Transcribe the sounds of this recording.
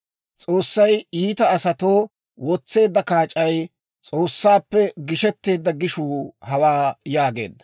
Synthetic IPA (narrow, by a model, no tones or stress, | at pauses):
t͡sʼo̞ːsːɐjiːt̪ɐːsɐt̪oː | wɔt͡sːe̞ːd̪ːɐkaːt͡ʃʼːɐj | t͡sʼo̞ːsːaːpːɛɡɪʃɛt̪ːe̞ːd̪ːɐɡɪʃuːhɐwaːjaːɡe̞̰ːd̪ːɐ̥